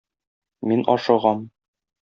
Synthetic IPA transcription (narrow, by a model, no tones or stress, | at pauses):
minɒ̰ʃɤ̆ʁɑm